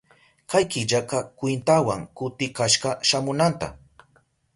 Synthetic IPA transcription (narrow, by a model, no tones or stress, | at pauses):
kajkɪʎaqɑkwɪnt̪awaŋkʊt̪ɪkaʃɢɑʃamʊnant̪a̰